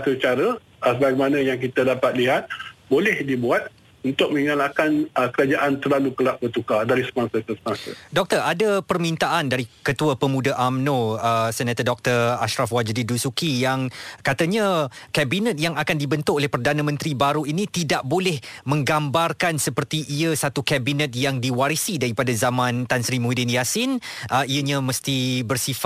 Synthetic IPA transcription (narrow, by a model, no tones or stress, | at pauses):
sət͡ʃaɾə | səbaɡɛmanãjaŋk̬it̪adapat̪̚liɦat̪̚bolɛhdibuat̪̚ | unt̪ʊk̚məŋalakanəkəɾad͡ʒaʔant̪ərlalukəlaʔ̚bət̪ukadaɾisəmasəkəsəmasə̰dɔk̚t̪əradapərmint̪aʔandaɾikət̪uəpəmũdaʔamnõəsɛnat̪ədɔk̚t̪əraʃɾafwad͡ʒdidusukijaŋkat̪əɲakɛbinət̪̚jaŋakandibənt̪ʊʔolɛhpərdanamə̃nt̪ɾibaɾuinit̪idaʔ̚bolɛhmə̃ŋɡambarkansəpərt̪iʔiəsat̪ukɛbinət̪̚jaŋdiwaɾisidaɾipadazamãnt̪ansɾimudɪniasɪnʔəijəɲãməst̪ibərsifa